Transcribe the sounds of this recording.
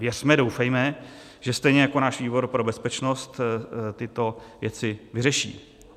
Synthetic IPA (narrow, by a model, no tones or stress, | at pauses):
vjɛr̥mɛdo̞wfɛjmɛ | ʒɛst̪ɛjɲɛjako̞naːʃviːbo̞ɾpɾo̞bɛspɛt͡ʃno̞st̪t̪ɪt̪o̞vjɛt͡sɪvɪrɛʃḭː